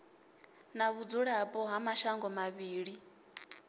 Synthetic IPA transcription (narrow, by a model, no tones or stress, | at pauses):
naβud͡zuɺapʼɔɦamaʃaŋɡɔmaβiːɺi